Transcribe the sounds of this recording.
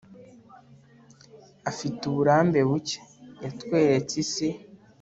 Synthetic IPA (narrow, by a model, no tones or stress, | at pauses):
afituβuɾaːmbe̞βuce̥jatwe̞ːɾet͡sise